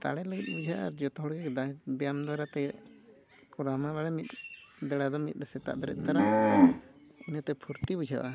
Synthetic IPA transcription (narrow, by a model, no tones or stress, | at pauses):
t̪a̰ɽɛləɡit̪̚bud͡ʒʱaʔaɾd͡ʒɔt̪ɔɦɔɽɡɛkd̪abjamd̪waɾat̪ɛ | kɔɾamaβaɽɛmit̪̚b̪ɛɽad̪ɔmit̪̚ˀɾɛsɛt̪a̰ʔb̪ɛɾɛ̰t̪̚ˀt̪aɾa | ɛnat̪ɛpʰuɾt̪ibud͡ʒʱaʔa